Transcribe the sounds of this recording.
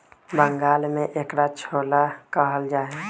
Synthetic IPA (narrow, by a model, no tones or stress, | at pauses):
bəŋɡaːlmẽʔekɾat͡ʃʰolakəɦəld͡ʒaːɦe